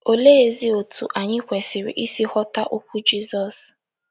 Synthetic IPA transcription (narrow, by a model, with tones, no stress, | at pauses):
o˨le˦e˨zi˦o˨tu˨ʔa˨ɲɪ˦kʷɛ˨sɪ˨ɾḭ˨ʔi˦si˦hɔ˦ta˦ʔu˦kʷu˦d͡ʒi˦zɔ˨s